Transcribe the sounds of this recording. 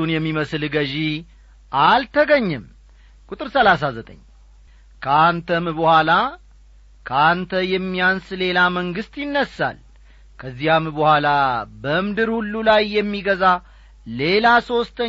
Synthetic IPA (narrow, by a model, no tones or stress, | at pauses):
unjɛmːiməslɡəʒi | ʔalt̪ʰəɡəɲːɛm | kʼut̪ʼɨɾsəlas̬azət̪ʼə̰ɲː | kʰəant̪ʰəmbəhʷala | kʰəant̪ʰəjɛmːijansle̞laməŋɡɨst̪jɪnːəsːa̰l | kʰəzːihambəhʷwalabəɨmd̪ɨɾhulːulajːɛmːiɡəza | le̞laso̞st̪ʰə